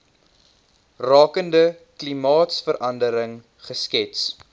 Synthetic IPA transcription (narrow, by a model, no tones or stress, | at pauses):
rɑːkəndəklimɑːtsfəɾʔɐndəɾəŋ | χəskɛts